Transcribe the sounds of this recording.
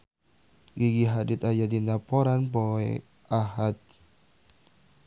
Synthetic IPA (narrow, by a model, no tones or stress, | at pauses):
ɡiɡiɦadɪt̪ajadinapɔɾanpɔɛ | ahat̪̚